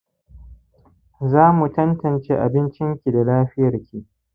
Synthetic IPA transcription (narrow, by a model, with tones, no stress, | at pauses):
zaː˦mu˨tɐ˦ntɐ˨nt͡ʃeː˦ʔa̰˨bɪ˦nt͡ʃɪ˦ŋkʲi˨da˨laː˦ɸɪ˦jɐ˨rkʲʰi˨ʔ